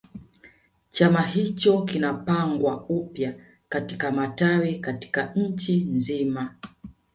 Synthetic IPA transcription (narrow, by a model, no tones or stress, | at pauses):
t͡ʃamahit͡ʃɔkinapaŋɡwaupja | katikamatawikati̥kaɲ̩t͡ʃinzima